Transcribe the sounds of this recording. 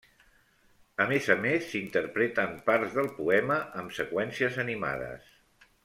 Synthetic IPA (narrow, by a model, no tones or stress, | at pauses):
əmezəmesːint̪əɾpɾet̪əmpaɾzðəlˠpuɛməʔəmsəkwɛnsiəzənima̰ðə̰s